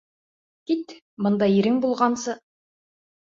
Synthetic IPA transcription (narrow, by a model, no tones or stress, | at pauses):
kit̪ | mɤ̆nd̪ɑjiɾɘŋbulˠʁɑnsɤ